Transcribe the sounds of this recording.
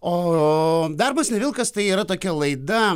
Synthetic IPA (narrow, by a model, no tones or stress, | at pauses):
oː | d̪ɐrbɐsnʲɛʋʲɪlˠkɐst̪ɐɪiːɾɐt̪oːkʲɛlˠɐɪd̪ɐ